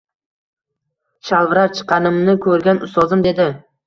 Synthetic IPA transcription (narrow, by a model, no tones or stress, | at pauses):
ʃalˠvɾaɾt͡ʃʰɨ̥qʰːɑnɪmnɪkʲʰɵɾɡʲanʊst̪ɒzɪmd̪e̞d̪ɪ